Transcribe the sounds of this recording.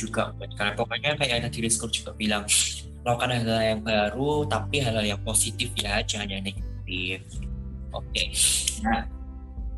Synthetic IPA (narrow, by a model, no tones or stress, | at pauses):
d͡ʒuɡa̰ʔʊt̪̚karapokaɲankajaanadiɾiskʊrd͡ʒ̥uɡ̥aʔb̥ilaŋ | lawkanaɦalajaŋbaɾut̪apiɦalaljaŋposit̪ɪfjad͡ʒaɲaneɡat̪̚ɪfʔo̰kena